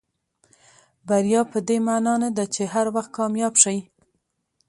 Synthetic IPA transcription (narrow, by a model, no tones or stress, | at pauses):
baɾijɑpəd̪emanɑnad̪at͡ʃeɦaɾwaxt̪̚kɑmjɑbʃaj